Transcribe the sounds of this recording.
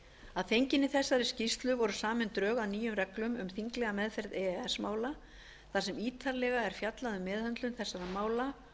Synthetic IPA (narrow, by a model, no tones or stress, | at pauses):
aðθejɲcɪnːɪθɛsːaɾɪscist̪lʏvɔɾʏsaːmɪnt̪ɾœːɣaðniːjʏmrɛklʏmʏmθiŋklɛɣamɛðfɛɾðɛɛsmaːwla | θasɛmiːt̪ʰaɾlɛɣaɛɾ̥fjat̪laðʏmːɛːðhœnt̪lʏnθɛsːaɾamaːwla